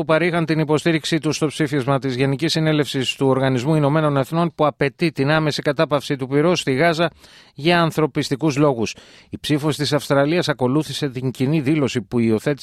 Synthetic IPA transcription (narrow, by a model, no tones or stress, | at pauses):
upɐɾixɐnt̪inipo̞st̪iɾiksit̪ust̪o̞psifizmɐt̪izʝe̞nicisːine̞le̞fsist̪uo̞ɾɣɐnizmuino̞me̞no̞ne̞θno̞npuɐpe̞t̪it̪inɐme̞sikɐt̪ɐpɐfsit̪upiɾo̞st̪iɣɐzɐ | ʝɐːnθɾo̞pist̪ikuzlo̞ɣus | ipsifo̞si̥t̪isɐfst̪ɾɐliɐsɐko̞luθise̞t̪iɲciniðilo̞sipuio̞θe̞t̪i